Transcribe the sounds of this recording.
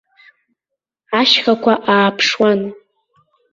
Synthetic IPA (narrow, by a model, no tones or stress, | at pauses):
aʃχakʷʰaʔaːpʰʂwan